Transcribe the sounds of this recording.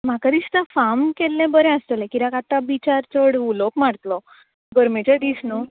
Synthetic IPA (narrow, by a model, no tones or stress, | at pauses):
makad̪ist̪ãfamkɛlːɛ̃bəɾɛ̃ast̪əlɛ̃kiɾakat̪ːabit͡ɕaɾt͡soɽulokmaɽt̪lɔ | ɡəɾmet͡ɕaʈisno